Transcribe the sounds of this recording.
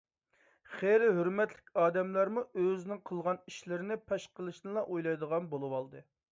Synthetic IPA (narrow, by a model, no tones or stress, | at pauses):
χeɾɪɦøɾmɛt̪lɪ̥kʲɑːd̪ɛmlæɾmuøzɪnɪŋqʰəlˠʁɑniʃlɪɾɪnɪpʰɛʃqəlˠɨʃnɨlˠɑʔojlˠɑjd̪əʁɑnbolˠɨwɑlˠd̪ɨ